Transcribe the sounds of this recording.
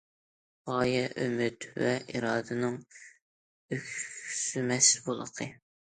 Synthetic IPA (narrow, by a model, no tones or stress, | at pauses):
ʁɑːjɛʔømyt̪vɛʔiɾɑːd̪ɨnɨŋ | økʲsymɛsbolˠə̰qʰə